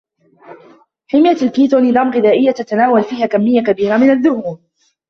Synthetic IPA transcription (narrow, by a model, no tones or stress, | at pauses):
ħɪmjaalkiːt̪oniːðˤaːmɣɪðaːʔɪjːat̪at̪anaːwalfiːhaːkamːɪjːakabiːɾamɪnaðːʊhuːɾ